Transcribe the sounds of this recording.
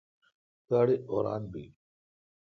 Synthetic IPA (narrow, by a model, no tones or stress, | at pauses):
kaːɽeʔoːɾa̰ːnbḭ